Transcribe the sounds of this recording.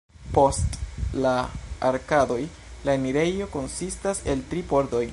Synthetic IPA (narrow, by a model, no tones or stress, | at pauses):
po̞stlaa̰ɾkado̞j | laemiɾe̞jo̞ko̞nsistase̞ltɾipo̞ɾdo̞j